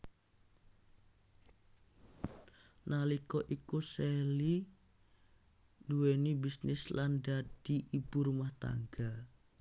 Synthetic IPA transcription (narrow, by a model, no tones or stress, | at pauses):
nalikɔʔikuseli | duwenibisnɪslandad̪̥iʔib̥uɾumaht̪a̰ŋɡa